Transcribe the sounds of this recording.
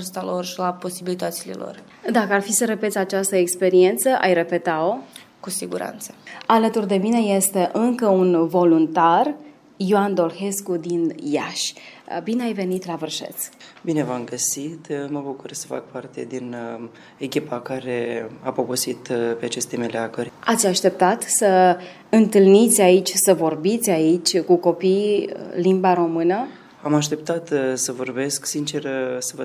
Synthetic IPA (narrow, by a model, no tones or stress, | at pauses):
rst̪alo̞rʃilapo̞sibilit̪ət̪sile̞̰lo̰r | d̪akəarfisəɾəpe̞t̪sʲat͡ʃast̪əekspe̞ɾie̞nt̪səʔa̰jre̞pe̞t̪ao | kusiɡuɾa̰nt̪sə̥alət̪urd̪e̞mine̞je̞st̪e̞ʔɨŋkəunvo̞lunt̪ar | ijoand̪o̞lxe̞skud̪injaʃʲbineajve̞nit̪lavɨrʃḛt̪sʲbine̞vamɡəsit̪məbukursə̥fa̰k̚part̪e̞d̪in | ekʲipakaɾe̞apobusit̪peat͡ʃe̞st̪e̞meleaɡurʲat̪sʲaʃt̪e̞p̚t̪at̪sə | ɨnt̪ɨlnit̪sʲait͡ʃʲsəvo̞rbit̪sʲait͡ʃʲkuko̞pijlimbaɾo̞mɨnə | amaʃt̪e̞pt̪at̪səvo̞rbe̞sksint͡ʃe̞rsəvə